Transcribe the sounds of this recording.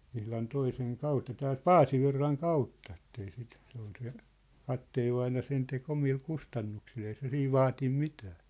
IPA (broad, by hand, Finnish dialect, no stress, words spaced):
ihlɑn toiseŋ kɑutːɑ tæːlt pɑːsiʋirːɑŋ kɑutːɑ etːei sit se ol se kɑtːeːʋːɑinɑ sen tek omil kustɑnːuksil ei se siːʋ ʋɑːtim mitæː